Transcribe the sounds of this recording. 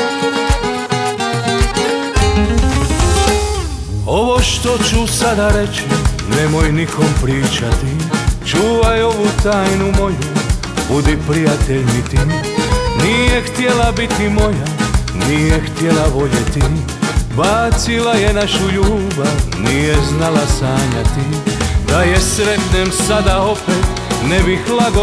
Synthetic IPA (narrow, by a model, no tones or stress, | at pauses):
oʋoʃt̪ot͡ʃusad̪aɾɛt͡ʃi | nɛmojnikʰompɾiːt͡ʃat̪it͡ʃuːʋajo̞ʋut̪aːjnumo̞ju | bud̪ipɾijat̪ɛʎnit̪i | nijɛxt̪ɪɛlabit̪imɔjanijɛxt̪jɛlaʋɔʎɛt̪i | baːt͡silajɛnaʃuʎuːbanijɛznalasaːɲat̪id̪ajɛsɾɛt̪nɛmsad̪aɔpɛt̪ | nɛbixlaɡɔ